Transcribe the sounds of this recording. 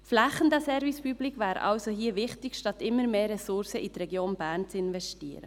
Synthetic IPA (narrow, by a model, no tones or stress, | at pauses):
flæχənd̪əsɛɾvispyblikvæːɾ̰ʔɑ̰lsoɦiːəvɪχtɪkʃtɑt̪ɪmːəɾmeːɾɛsʊɾsəʔitɾɛɡjoːnbæːɾnt͡sɪnvɛʃtiːəɾə̰